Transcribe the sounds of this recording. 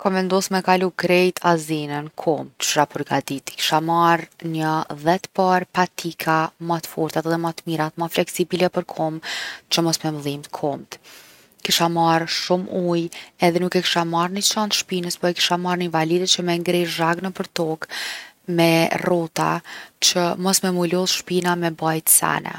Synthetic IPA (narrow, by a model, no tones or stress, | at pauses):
kɔvɛnd̪ɔsmɛkaluɡɾɛjt̪ʰazinənkʰɔmt̪ʃapəɾɡad̪it̪i̥ki̥ʃamaɾnəðɛt̪paɾpat̪ʰikʰamat̪fɔɾt̪at̪ðɛmat̪miɾat̪maflɛksibilɛpəɾkʰɔmt͡ʃəmɔsmɛmðimt̪kʰɔmt̪ | kiʃamaɾʃumujɛðɛnukɛki̥ʃamaɾnit͡ʃant̪ʃpinəspɔɾɛki̥ʃamaɾninvalid̪ɛt͡ʃəmɛŋɡɾiʒaɡnəpəɾt̪ɔk | mɛrɔt̪a̰t͡ʃəmɔsmɛmulɔsʃpinamɛbajt̪sa̰nɛ̰